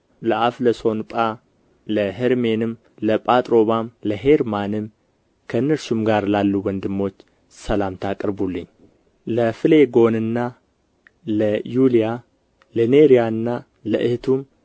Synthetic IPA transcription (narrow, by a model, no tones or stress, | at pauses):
ləʔafləso̞npʼa | ləɦɨɾme̞nɨm | ləpʼat̪ʼɾo̞βamləɦe̞ɾmanɨm | kʰəɨnːəɾsumɡaɾlalːuwɔnd̪ɨmːo̞t͡ʃː | səlamt̪ʰakʼɾbulːɨɲː | ləfɨle̞ɡo̞nɨnːa | ləjulija | ləneɾijaɨnːa | ləʔɨht̪ʰum